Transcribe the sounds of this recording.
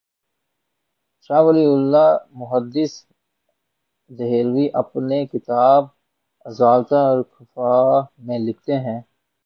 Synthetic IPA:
ʃaːʋɐliʊlːamʊɦəd̪ɪs | d̪ɐɦeːlwiʔɐpnekɪt̪aːb̚ | ɐzaːlt̪ãɔɾkʰɐfaːmẽlɪk̚ʰt̪eɦɛ̃ː

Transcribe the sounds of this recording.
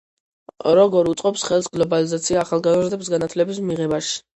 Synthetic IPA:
ɾɔɡɔɾut̪sʼqʼɔpsχɛlˠsɡlˠɔbalizat̪sʰiaːχalˠɡazɾd̪ɛbsɡanat̪ʰlɛbismiʁɛbaʃi̥

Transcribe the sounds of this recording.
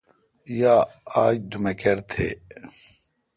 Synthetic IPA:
jaːaːd͡ʑd̪umekɐɾt̪ʰeː

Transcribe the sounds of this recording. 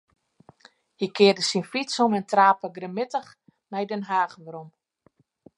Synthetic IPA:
hikɪərdəsinflitsomɛntraːpəɡrəmɪtəx | nɛjdɛnɦaːxʋəɾom

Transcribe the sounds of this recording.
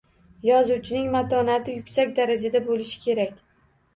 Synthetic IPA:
jɒzuwt͡ʃʰɪnɪŋmat̪ʰɒnat̪ʰɪjʊkʲsakʲd̪aɾad͡ʒad̪abolɪʃɪ̥kʲʰe̞ɾakʲ

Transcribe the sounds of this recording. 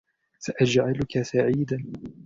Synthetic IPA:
saʔad͡ʒʕalʊkasaʕiːd̪an

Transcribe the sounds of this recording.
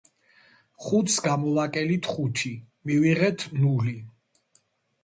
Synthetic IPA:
χut̪sɡamɔlakʼɛlit̪ʰχut͡ʃʰi | miviʁɛt̪ʰnuli

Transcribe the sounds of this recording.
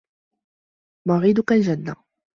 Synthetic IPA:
mɑɾiːd̪ʊkald͡ʒanːa

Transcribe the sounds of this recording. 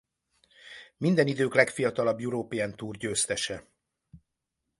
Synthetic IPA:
mind̪ɛnid̪øːklɛkfijɒt̪ɒlɒbjuɾoːpiant̪uːrɟøːst̪ɛʃɛ

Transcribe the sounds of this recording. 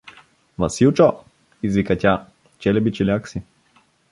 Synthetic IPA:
vɐsilˠt͡ʃɔ | izvikɐtʲa | t͡ʃɛlɛbit͡ʃilʲaksi

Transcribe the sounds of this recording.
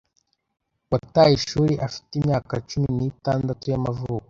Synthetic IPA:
watajiʃuːɾiʔafi̥timɲaːkat͡ʃuminitaːndatujamavuːko

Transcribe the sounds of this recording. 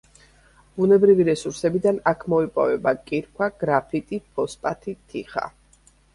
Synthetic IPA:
b̥unɛbɾiviɾɛsuɾsɛbid̪anakʰmɔipʼɔ̰vɛbakʼiɾkʰwaɡ̥ɾapʰit̪ʼipʰɔspʼat̪ʰit̪ʰiχa̰

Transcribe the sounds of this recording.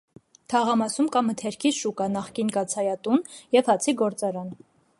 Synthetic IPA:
t̪ʰɑʁɑmɑsumkɑmət̪ʰɛɾkʰiʃukɑnɑχkinkɑt͡sʰɑjɑt̪unjɛvhɑt͡sʰiɡɔɾt͡sɑɾɑn

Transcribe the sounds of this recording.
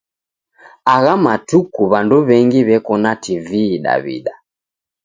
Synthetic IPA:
aɣamatukuβanduβɛŋɡiβɛkɔnativiːɗa̰βḭɗa

